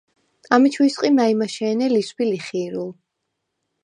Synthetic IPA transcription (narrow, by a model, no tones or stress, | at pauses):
amit͡ʃʰwisqʼimaimaʃɛːnɛlispiliχiːɾulˠ